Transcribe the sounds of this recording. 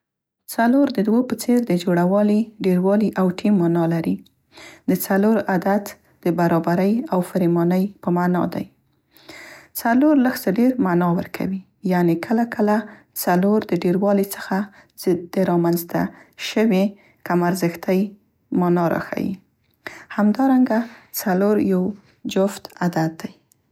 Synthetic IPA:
t͡saloɾd̪əd̪wopət͡seɾd̪əd͡ʒoɽawɑliɖeɾwɑliʔawʈʰimːɑnɑlaɾi | d̪ət͡saloɾad̪at̪ | d̪̥əbaɾɑbaɾəjawfəɾimɑnəjpəmanɑ̰d̪a̰j | t͡saloɾləxsəɖeɾmanɑwə̰ɾkʰa̰wi | janekʰəlakʰəla | t͡saloɾd̪əɖeɾwɑlit͡sə̥xa | z̥d̪əɾɑmanzt̪a̰ʃəwe | kamaɾzəxt̪əj | mɑnɑɾɑ̰xa̰jḭ | hamd̪ɑɾaŋɡat͡saloɾjaw | d͡ʒʊft̪ad̪at̪̚d̪aj

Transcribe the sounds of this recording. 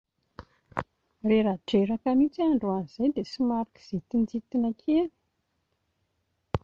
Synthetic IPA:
reɾaʈ͡ʂeɾakamit͡siaɳɖ͡ʐoanizajd̪esimaɾiki̥z̥et̪ind͡zit̪inakʰeani̥

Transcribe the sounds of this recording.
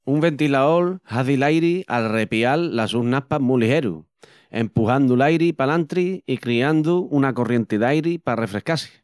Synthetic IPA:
umbe̞nt̪ilaolhaθilajɾialre̞pialːasuhnapamulihe̞ɾṵ | e̞̰mpuɦand̪ulajɾipalant̪ɾiikɾiand̪uunako̞rje̞nt̪eðajɾipare̞fɾe̞hkasi̥

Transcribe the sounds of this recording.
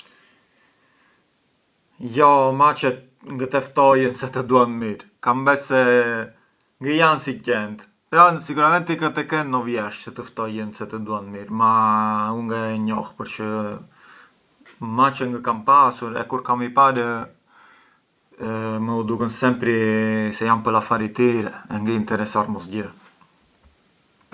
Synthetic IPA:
jɔmat͡ʃɛt̪̚ | ŋɡət̪ɛft̪ɔjənsɛt̪əd̪uanmiɾkambɛsɛ | ŋɡəjansicɛnt̪ | pɾasiɡuɾamɛnt̪ikət̪ɛkɛnːɔvjɛʃsɛt̪əft̪ɔjənsɛt̪əd̪uanmiɾmauŋɡaɲɔhpəɾt͡ʃə | mat͡ʃəŋɡəkampasuɾɛ̰kuɾkamipaɾə | məud̪ukənsɛmpɾisɛjampəlafaɾit̪iɾɛɛŋɡəint̪ɛɾɛsaɾmɔsɟə

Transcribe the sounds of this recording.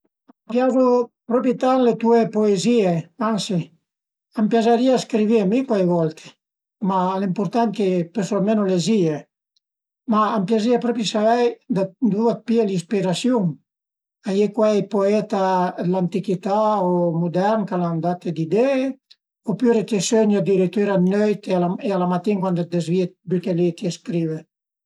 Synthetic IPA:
ampjazopɾɔpit̪aŋlet̪uepoezieansi | ampjazaɾiaskɾiviamikwajvɔlt̪ʰe̥ | malimpuɾt̪ankepesoamenolezie | maampjaziapɾɔpɾisaɛjd̪and̪uat̪̚pielispiɾasjuŋ | ajekwɛpoɛt̪alant̪ikit̪aomud̪ɛɾnkaland̪at̪ed̪id̪ɛː | opyɾet̪esøɲad̪iɾit̪yɾanøjt̪ealaealamat̪iŋkwand̪at̪̚d̪ezvied̪ykelet̪ieskɾive

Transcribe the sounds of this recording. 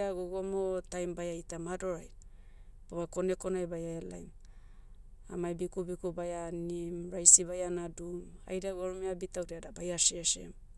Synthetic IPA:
aɡoɡomotajmbajajtamado̞ɾaj | poβako̞neko̞najbajaela̰jm | a̰majbikubikubajanimɾajsibajanaduma̰jdaɡuaɾumeabitawdeadabajaseʃḛm

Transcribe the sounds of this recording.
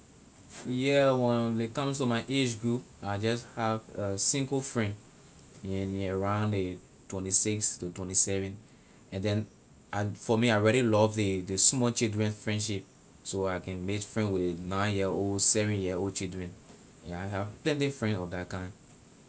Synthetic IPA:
jɛwɛ̃nlekʌ̃mstumaɪʔed͡ʒɡɹupaɪd͡ʒʌshavasĩŋɡəfɹɛ̃nd | ĩnaɹãʊ̃ndə | twɛ̃ntisikstutwɛ̃ntisɛvɛ̃n | ɛ̃ndɛ̃n | aɪfɔmiaɪɔɹɛɾilɔvdədəsmɔlt͡ʃildɹɛ̃nfɹɛ̃ndʃip̚ | soaɪkɛ̃nmekfɹɛ̃nwɪðnãɪ̃njioldsɛvɛ̃njioldt͡ʃildɹɛ̃n | aɪhavplɛ̃ntifɹɛ̃ndɔfdat̚kãɪ̃n

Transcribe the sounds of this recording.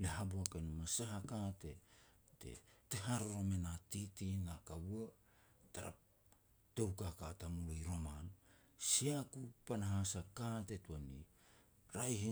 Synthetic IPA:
leɦabuakenumasaɦakate̞ | tḛteɦaɾoɾo̞menatitinakabua | taɾa̰p̚ | towkakatamulojɾo̞man | siakupanaɦasakate̞tuani | ɾajhi

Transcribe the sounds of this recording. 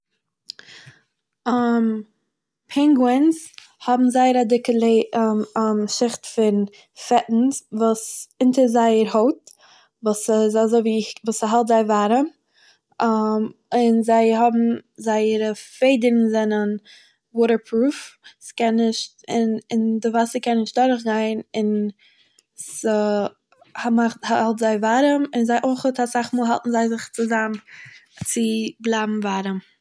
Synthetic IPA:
m | pʰɛŋɡwɛns | hɔbm̩zaɪəɾadɪkəlˠe | ʃɪχtfɪn | fɛʔn̩svuːsɪntəzaɪəɾhoʊt̚ | vuːszazoɪviːvuːsaɦalˠtzaɪvaɾə | mɪnzaɪɦɔbm̩zaɪəɾəfeɪdəɾn̩zɛnən | wɔːɾə˞pʰɾuːfskɛnːɪʃt | ɪnɪndɪvasəkʰɛnːɪʃt̚daɾχɡaɪnɪn | sə | hmaχthaalˠtzaɪvaɾəmɪnzaɪʔoɪχətʰasaχmuːlˠɦa̰lˠtn̩zaɪzɪχt͡sɪzam | t͡sɪblˠaɪbm̩vaɾəm

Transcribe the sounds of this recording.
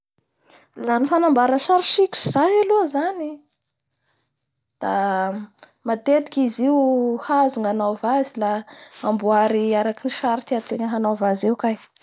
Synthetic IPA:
lanifanambaɾəʃaɾiʃikʲi̥z̥ajaluzani | d̪̥a | mat̪et̪i̥kiziwhazuŋanavazilaambuaɾiaɾakiniʃaɾit̪iat̪eŋəɦanavazewkaj

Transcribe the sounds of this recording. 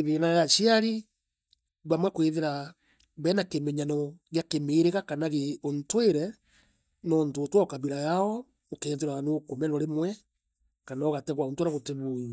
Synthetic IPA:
eðenajaʃiaɾi | βwamwakweðeɾa | bɛnakemeɲanɔɣjakemeːɾeɣakanaɣeontweɾɛ | nɔntoːtwɔkaβiɾajaɔ | okeːnðeɾaanokomɛnɔɾemwɛ | kanaoɣatɛɣwaontweɾaɣoteβui

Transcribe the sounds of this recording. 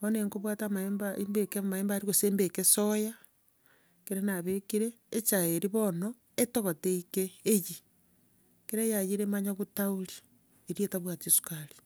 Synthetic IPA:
βoneŋkoβwatamaembaʔimbekemaeːmbaɾiɣoseːmbekesoja | keɾenaβekiɾeːt͡ʃaeɾiβono | etoɣoteikeːji | keɾajajiɾemaɲaɣutauɾi | eɾietaβwatiosu̥kaɾi̥

